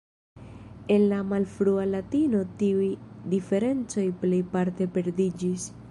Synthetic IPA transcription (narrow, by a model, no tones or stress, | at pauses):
e̞nlamalfɾualatino̞tiujdife̞ɾe̞nt͡so̞jple̞jpaɾte̞pe̞ɾdid͡ʒis